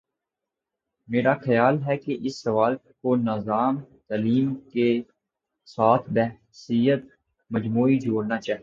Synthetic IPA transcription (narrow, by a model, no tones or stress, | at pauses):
meːɾaxɐjaːlɦɛkeʔɪsːɐʋaːlkonəzaːmt̪aːliːmke | saːt̪ʰbɛɦ | siːjət̪̚ | məd͡ʒmuːid͡ʒʱoːɽnat͡ʃaːɦi